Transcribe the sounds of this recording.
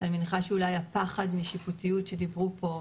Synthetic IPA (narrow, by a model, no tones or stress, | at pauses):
alminχaʃeulajapaχadmiʃiputijutʃe̞dibʁupo̞